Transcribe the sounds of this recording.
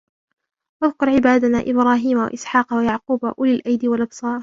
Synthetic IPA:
waðkʊɾʕɪbaːd̪anaːʔɪbɾɑːɦiːmawa̰ʔɪsħɑːqɑwajaʕquːbaʔʊlalʔajd̪iwalʔɑbsˤɑːɾˤ

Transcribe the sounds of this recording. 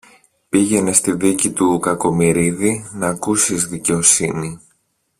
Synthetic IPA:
piʝe̞ne̞st̪iðicit̪ukɐko̞miɾiðinɐːkusizðice̞o̞sini

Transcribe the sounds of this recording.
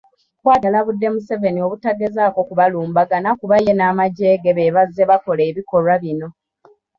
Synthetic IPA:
kwaːtalaβudːe̞muse̞ve̞nio̞βutaɡezaːko̞kuβaluːmbaɡanakuβaje̞naːmaɟe̞ːɡeβe̞ːβazːe̞βako̞le̞ːβiko̞lwaβino̞

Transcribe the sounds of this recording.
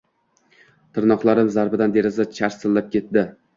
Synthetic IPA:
t̪ʰɪɾnɒqlˠaɾɪmzaɾbɪd̪and̪e̞ɾɪzat͡ʃʰaɾsɪlːap̚kʲe̞t̪d̪ɪ

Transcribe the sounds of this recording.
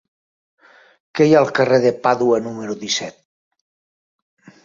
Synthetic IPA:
kejalˠkəreðepaðuənumeɾuðisɛt̪̚

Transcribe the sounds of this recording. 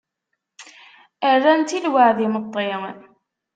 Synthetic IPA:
æðænt̪ilwaʕðimət̪ˤːe

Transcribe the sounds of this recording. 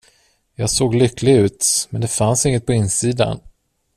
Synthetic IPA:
jɑːɡsoːɡlʏkːlɪɡʉ̟ːt̪mɛnd̪ɛfansɪŋːət̪̚pʰɔɪnːsiːd̪a̰n

